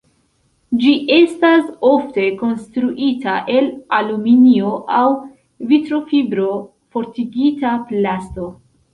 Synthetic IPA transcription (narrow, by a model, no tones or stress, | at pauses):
d͡ʒiʔe̞staso̞fte̞ko̞nstɾuʔitaʔe̞laluminio̞ʔaw | vitɾo̞fibɾo̞ | fo̞ɾtiɡitaplasto̞